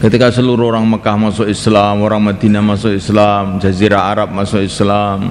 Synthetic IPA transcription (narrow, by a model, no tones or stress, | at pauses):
kət̪ikasəluɾuoɾaŋməkahmasʊkislamoɾaŋmad̪̥i̤namasʊʔislamd͡ʒaziɾaɦaɾap̚masʊʔɪslam